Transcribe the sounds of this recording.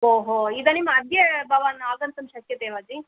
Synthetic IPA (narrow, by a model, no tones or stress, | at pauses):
ɦoːɦoid̪ɐnimːɐɐd̪jebɐʋanaːɡ̪ɐnt̪ɐmʃɐkjɐt̪eːʋɐd͡ʒi